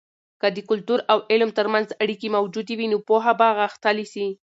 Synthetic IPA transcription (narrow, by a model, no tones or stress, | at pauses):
kad̪əkʊlt̪uɾawɪlmt̪əɾmanzaɽikemawd͡ʒud̪ewinopoɦabaɣaxt̪alisi